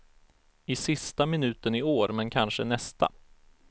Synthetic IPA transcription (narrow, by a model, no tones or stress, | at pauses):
ɪsɪst̪amɪnʉ̟ːt̪ənɪoːɾmɛnkʰanʂənɛst̪a̰